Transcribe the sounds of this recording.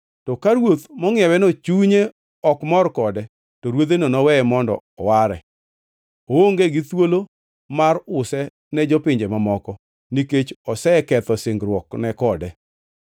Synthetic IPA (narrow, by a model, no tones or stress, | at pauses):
tɔkaɾwot̪mɔŋɪɛwɛnɔt͡ʃuɲe | ɔkmɔrkɔdɛ | tɔɾwot̪enɔnɔwɛmɔndɔ̰ːwaɾɛ̰ | ooŋɡeɡit̪wolo | marʊsɛ | nɛd͡ʒɔpɪɲd͡ʒemamɔkɔ | niket͡ʃɔsɛɛkɛt̪ɔsɪŋɡɾwɔknɛkɔdɛ